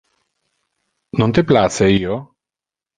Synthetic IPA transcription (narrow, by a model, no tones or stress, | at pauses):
nont̪eplaseiːo